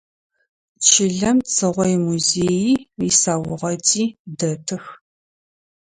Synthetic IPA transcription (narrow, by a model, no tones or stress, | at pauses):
t͡ʃʰɪɮɐmt͡sʰɨʁʷɔjmuzeːjiːisaːwʊʁɐtʼiːdɐtʰɨx